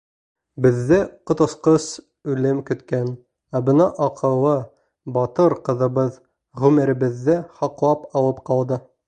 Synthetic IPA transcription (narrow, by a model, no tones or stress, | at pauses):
bɘ̆ðːɘqŏt̪ŏsqɤs | ʉlɘmkɵ̆t̪kæn | æbɤnɑʔɒqʰɤ̆lˠɤ | bɒt̪ɤɾqɤ̆ðɤ̆bɤð | ʁʉmɘ̆ɾɘ̆bɘ̆ðːɘχɑqlˠɑpɒlˠɤpqɑlˠd̪ɤ